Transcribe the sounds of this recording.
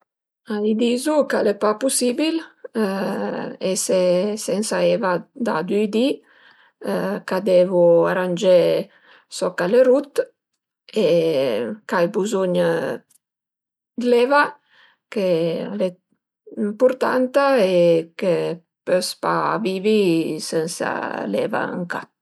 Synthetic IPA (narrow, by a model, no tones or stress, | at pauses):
ajd̪izukalepapusibil | esesɛnsaevad̪ad̪yjd̪i | kad̪evuaɾand͡ʒe | sɔkaleɾut̪ | e | kajbuzuɲ | d̪leva | kele | impuɾt̪a̰nt̪aeke | pøspavivisɛnsa̰lḛva̰a̰ŋka̰